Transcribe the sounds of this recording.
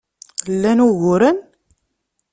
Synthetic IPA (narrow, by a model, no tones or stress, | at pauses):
lːænuɣʊɾən